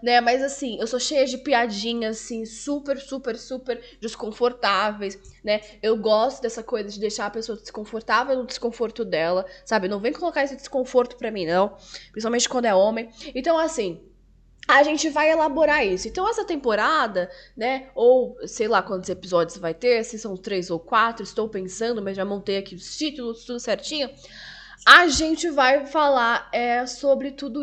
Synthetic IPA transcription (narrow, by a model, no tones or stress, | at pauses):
nɛmɐzasĩewsoʃejɐd͡ʒɪpiad͡ʒĩɲɐasĩsupeɾsupeɾsupeɾd͡ʒɪskõfoɾt̪avejsnɛewɡɔst̪ʊd̪ɛsɐkojzɐd͡ʒɪd̪ejʃaɾɐpesoɐd̪ɪskõfoɾt̪avewnʊd̪ɪskõfoɾt̪ʊd̪ɛlɐsabɪnɐ̃w̃vẽj̃kolokaɾisʊd̪ɪskõfoɾt̪ʊ̥pɾɐmĩnɐ̃w̃pɾĩspawmẽnt͡ʃɪkwɐ̃nd̪ʊɛõmẽj̃ẽnt̪ɐ̃w̃ɐsĩ | aʒẽnt͡ʃɪvajelaboɾaisʊẽnt̪ɐ̃w̃ɛsɐt̪ẽmpoɾad̪ɐnɛowsejlakwɐ̃nt̪ʊzepizɔd͡ʒɪʊzvajt̪eɾasĩsɐ̃w̃ʊst̪ɾezowkwat̪ɾʊɪst̪owpẽsɐ̃nd̪ʊmɐzʒamõnt̪ejakiʊt͡ʃit̪ulʊt̪ud̪ʊsɛɾt͡ʃĩɲʊ | aʒẽnt͡ʃɪvajfalaɾɛsobɾɪt̪ud̪ʊ